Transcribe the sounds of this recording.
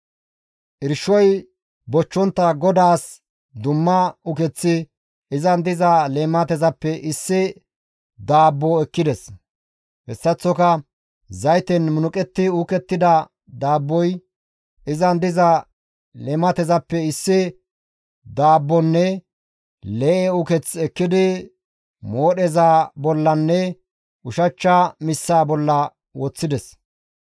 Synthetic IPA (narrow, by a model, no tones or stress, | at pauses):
ʔɪɾʃɔj | bɔt͡ʃːɔnt̪ːɐɡɔd̪aːs | d̪ʊmːɐʊkɛt͡sːɪ | ʔɪzɐnd̪ɪzɐleːmɐt̪ɛzɐpːɛʔɪsːɪ | d̪aːbːɔɛkːɪd̪ɛs | hɛsːɐt͡sːɔkɐ | zɐjt̪ɛnmʊnʊkʼɛt̪ːɪuːkɛt̪ːɪd̪ɐ | d̪aːbːɔj | ɪzɐnd̪ɪzɐ | lɛmɐt̪ɛzɐpːɛɪsːɪ | d̪aːbːɔnːɛ | lɛʔɛʊkɛt͡sɛkːɪd̪ɪ | moːɗɛzaːbɔlːɐnːɛ | ʊʃɐt͡ʃːamɪsːaːbɔlːɐ | wɔt͡sːɪd̪ɛs